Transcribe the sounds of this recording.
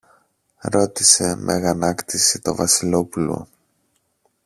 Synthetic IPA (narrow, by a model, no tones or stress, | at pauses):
ɾo̞t̪ise̞mʔe̞̰ɣɐnɐkt̪isit̪o̞vɐsilo̞pulo̞̰